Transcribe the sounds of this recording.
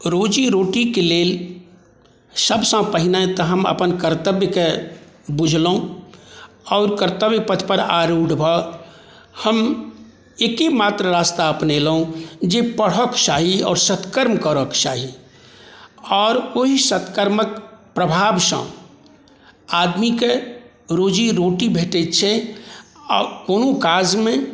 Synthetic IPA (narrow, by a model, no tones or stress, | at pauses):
ɾoːd͡ʒiɾoːʈikeleːl | səbsãpəɦɪnãt̪ɔɦəmə̰pənkəɾt̪əbjəke | bʊd͡ʒʱlõ | ɔːɾkəɾt̪əbjəpət̪ʰpəɾa̰ːɾuːɖbʱə | həm | eːkimaːt̪ɾəɾaːst̪aəpnelɦõd͡ʒepəɽ̤ɦəkt͡ʃaːɦiɔ̰ːɾsət̪kəɾmkəɾəkt͡ʃaːɦi | ɔːɾʋoɦisət̪kəɾməkpɾəbʱaːbsə̰̃ | aːd̪mike | ɾoːd͡ʒiɾoːʈibʱeːʈet͡ʃʰe | koːnõkaːd͡ʒmẽ